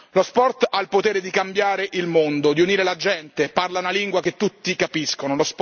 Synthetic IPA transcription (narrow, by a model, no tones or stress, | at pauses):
lospɔrt̪ailpot̪eːɾed̪ikambjaːɾeʔilmond̪od̪iuniːɾelad͡ʒɛnt̪eparlaunaliŋɡwak̟et̪ːut̪ːikapiskonolosp